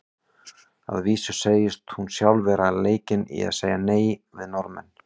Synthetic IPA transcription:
a̰ðviːsʏ̥seːjɪst̪hunsjawlvɛːɾaleːjcɪnḭa̰ðseːjaneːjvɪðnɔɾmɛ̰n

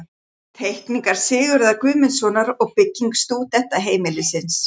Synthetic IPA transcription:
t̪ʰejhkniŋkaɾ̥sɪːɣʏɾɛðakvʏːmɪnsɔnaɾɔɣpɪcːiŋkst̪uːt̪ɛht̪aɦeːjmɪlɪsɪns

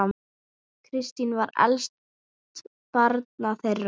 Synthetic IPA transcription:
a | kʰɾɪst̪invaɾɛ̰lst̪ | t̪ | paɾt̪̚naθerː

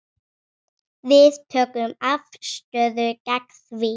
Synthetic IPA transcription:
ðispʰoɡɹə̃maftəðəɡ̥ækswi

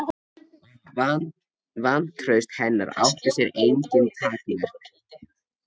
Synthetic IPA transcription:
van̥t̪ʰɾœɥst̪hɛnːa̰ɾa̰wht̪asjɛɾejɲcɪnkʰaːt̪inaɾ̥

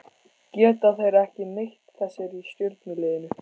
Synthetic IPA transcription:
cɛːt̪aθejɾɛhcɪnejht̪θɛsːɛɾist̪jʏɾt̪nɪleːjɪnʏ

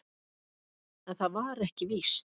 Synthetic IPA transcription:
ɛnθaðvaɾɛhcɪvis

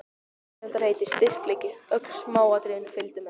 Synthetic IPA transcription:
ʏnt̪aɾ̥heːjt̪ɪ̥st̪ɪr̥klɛcɪœkl̥smaːwat̪ɾɪʏmfɪlt̪ʏmɛ

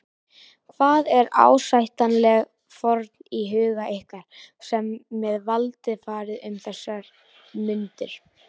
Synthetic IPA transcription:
kʰvaːðɛɾa̰ːwsajht̪anlɛɣ | fɔɾt̪niɦʏːɣaʔehkaɾ̥sɛmːɛðvalt̪ɪfaːɾɪðʏmθɛsːaɾ | mʏnt̪ʏɾ̥

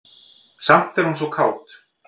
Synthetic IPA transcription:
sam̥t̪ɛɾhuns̬ɔkʰaːwt̪

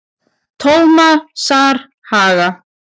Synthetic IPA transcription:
t̪ʰowmasaːɾ̥ | haːɣa

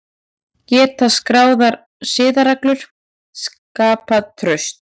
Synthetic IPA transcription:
cɛːt̪askɾaːwðaɾ | sɪːðaɾaklʏɾ̥ | s | kaːpaðt̪ʰɾœɥst̪̚

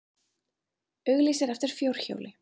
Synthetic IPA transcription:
œɣliːsɪɾɛft̪ɪɾ̥fjowr̥ço̰ːwlʔɪ

